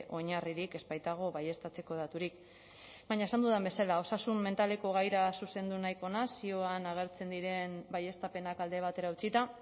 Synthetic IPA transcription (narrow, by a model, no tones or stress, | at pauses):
ʔo̞ɲariɾike̞spajt̪aɣ̞o̞βaje̞st̪at͡se̞ko̞ð̞at̪uɾik | baɲaesand̪uðambe̞salao̞sasumːe̞nt̪ale̞ko̞ɣ̞ajɾasuse̞nd̪unajko̞nasio̞anaɣ̞e̞ɾt͡se̞nd̪iɾe̞nbaje̞st̪ape̞nakald̪e̞β̞at̪e̞ɾaut͡sit̪a